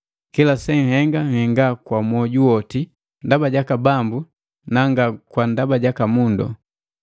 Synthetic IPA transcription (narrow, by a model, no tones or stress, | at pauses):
kilasɛŋ̩hɛŋɡaŋ̩hɛŋɡakwamwɔɟuwɔti | ndabaɟakabambu | naŋɡakwandabaɟakamundɔ̰